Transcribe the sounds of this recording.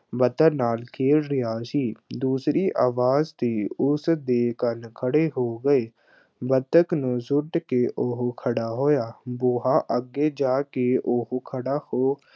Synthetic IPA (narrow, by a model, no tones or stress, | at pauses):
bət̪ənaːlkʰeːɽɾɪjaːʃiːd̪uːsɾiʔaːʋaːzt̪iʊsd̪eːkənkʰəɽeɦoːɡəe | bət̪əknuzʊʈkeʔʊɦkʰəɽaɦoːjaːboːɦaʔəɡed͡ʒaːkeʊɦkʰəɽahoː